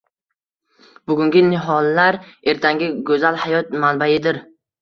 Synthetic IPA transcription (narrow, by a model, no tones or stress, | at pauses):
bʊɡʲʊŋɡʲɪnɪɦɒlːaɾe̞ɾt̪ʰaŋɡʲɪɡɵzalˠhajɒt̪̚manbajɪd̪ɪɾ